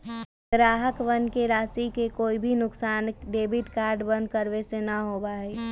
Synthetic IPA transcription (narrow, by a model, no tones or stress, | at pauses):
ɡɾaːɦəkʋənkeɾaːsikekoːibʱinʊksaːnɖeːbɪʈkaːɾɖbə̃nd̪̚kəɾʋesenaɦoːbaeː